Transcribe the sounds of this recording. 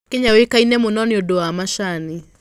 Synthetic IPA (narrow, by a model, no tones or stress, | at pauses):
keɲawekainɛmonɔnɪodoamaʃani